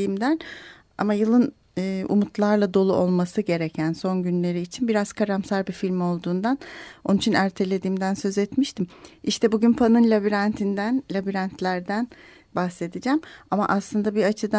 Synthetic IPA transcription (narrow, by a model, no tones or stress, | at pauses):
imd̪æn | a̰majɯlˠɯn | ɯːṵmut̪ʰlˠaɾlˠad̪o̞lˠuo̞lˠmasɯɟe̞ɾecʰænso̞nɟynlʲe̞ɾiːt͡ʃʰinbiɾaz̥kʰaɾamsaɾbifilʲmo̞lˠd̪uːnd̪ano̞nunit͡ʃʰinæɾt̪ʰe̞lʲe̞d̪iːmd̪ænsø̞zɛt̪miʃt̪ʰimiʃt̪ʰɛbuɟynpʰanɯnlʲabiɾant̪ʰind̪ænlʲabiɾant̪ʰlʲæɾd̪æn | bahse̞d̪id͡ʒæmama̰ʔaslˠɯnd̪abiat͡ʃʰɯd̪a